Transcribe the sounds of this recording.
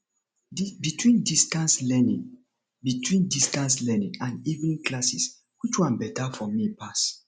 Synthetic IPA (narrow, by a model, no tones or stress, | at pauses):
bitʰwĩndistãnslɛnḭ̃ŋ | bitʰwĩndistãnslɛnĩŋãnivnĩŋklasis | wit͡ʃwãnbɛtafɔmipʰas